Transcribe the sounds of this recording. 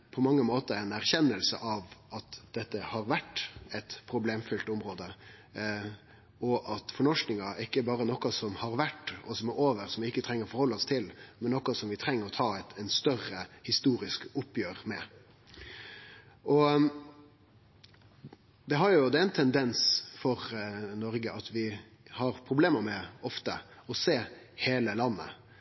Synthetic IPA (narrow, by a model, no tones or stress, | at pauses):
pʰɔmɑŋːəmoːt̪əɛɪnæɾçɛnːəlsə̰ʔɑʋɑt̪d̪̥ɛt̪ːəhɑɾʋæʈːɛt̪pʰɾʊbleːmfʏlt̪ʊmɾoːd̪ə | ɔʔɑt̪fɔɳɔʂknɪŋɑɪkːəbɑːɾənɔkɑsɔmhɑɾʋæʈːɔsɔmɛɾoːʋəɾsɔmʋɪɪkːət̪ʰɾɛŋːəɾɔfɔɾhɔlːəɔst̪ʰɪlmɛnːɔkɑsɔmʋɪt̪ʰɾɛŋːəɾɔt̪ʰɑːɛt̪ɛnst̪œrəhɪst̪uːɾɪskʊpːjøːɾmɛ | ʔɔ | d̪ɛɦɑɾjʊd̪ɛɛnt̪ʰɛnd̪ɛnsfɔɾnɔɾɡəʔɑt̪ʰʋɪ | hɑɾpʰɾʊbleːməmɛɔft̪ə̰ | ɔseː | heːləlɑnːə̰